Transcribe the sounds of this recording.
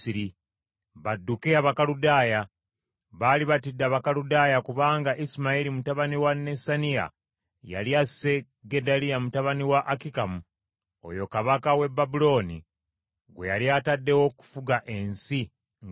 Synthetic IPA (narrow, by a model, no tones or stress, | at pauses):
iɾi | βadːukeaβakaludaːja | βaliβatidːaβakaludaːjakuβaːŋɡaʔisimaiɾimutaβaniwanːe̞sanija̰ | ja̰ljase̞ | ɡedaliamutaβaniwaʔakikamu | o̞̰jo̞kaβakawe̞bːabulo̞ːnḭ | ɡwe̞̰jaljaːtadːe̞wo̞ku̥fuɡaʔe̞nsi | ŋ